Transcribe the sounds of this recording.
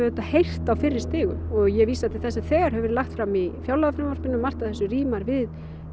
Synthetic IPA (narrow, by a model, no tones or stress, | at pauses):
ʏt̪ahejr̥t̪awfɪɾːɪɾ̥st̪ɪːɣʏ̰mɔɣjɛvisat̪ʰɪθɛsɪθɛːɣaɾ̥hɦɛvɛɾɪlaxt̪fɾamifjawlaɣafɾaɛmvaɾspɪnːʏmːar̥t̪aθɛsʏriːmaɾvɪð